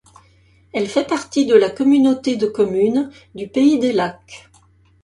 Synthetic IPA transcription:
ɛlfɛpaʁt̪id̪əlakɔmynot̪ed̪əkɔmyn | d̪ypeid̪elak

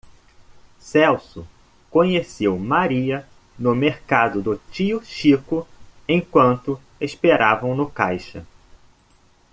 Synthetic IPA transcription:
sɛwsʊ | kõɲesewmaɾiɐ | nʊmeɾkad̪ʊd̪ʊt͡ʃiʊʃikʊẽj̃kwɐ̃nt̪ʊ | espeɾavɐ̃w̃nʊka̰jʃɐ

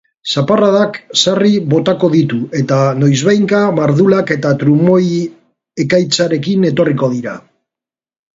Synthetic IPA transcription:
saparaðaksariβo̞t̪ako̞ðit̪ue̞t̪ano̞jzβajŋkamaɾðulake̞t̪at̪ɾumo̞j | e̞kajt͡saɾe̞kine̞t̪o̞riko̞ð̞iɾa̰

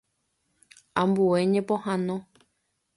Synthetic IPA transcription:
ãmbueɲẽpõhãnõ

